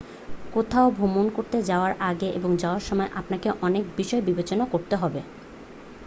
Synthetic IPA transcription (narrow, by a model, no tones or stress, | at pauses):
kot̪ʰaobʱumonkoɾt̪ed͡ʑaoaɾʔaɡeʔeboŋd͡ʑaoaɾʃɔmɔeʔapnakeʔɔnek̚biʃɔebibet͡ɕonakoɾt̪eɦɔbe